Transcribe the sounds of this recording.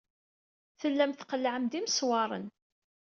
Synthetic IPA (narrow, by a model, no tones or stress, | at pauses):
θəlːæmθqəlːʕəmd̪imswɑɾˤə̰n